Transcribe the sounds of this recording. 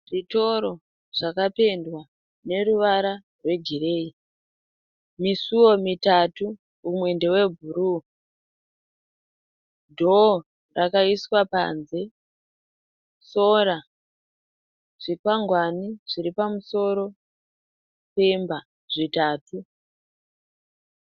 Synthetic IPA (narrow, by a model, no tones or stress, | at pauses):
ʐito̞ɾo̞ | ʐ̥akape̞ndwa | ne̞ɾuʋaɾa | rwe̞ɡire̞ːi | misuwo̞mitatu | umwe̞nde̞we̞bʱuɾu | dʱo | rakaiswapa̰nze̞ | so̞ra | ʐ̥ikwaŋɡwaniʐ̥iɾipamuso̞ɾo̞ | pe̞mba | ʐitaːtu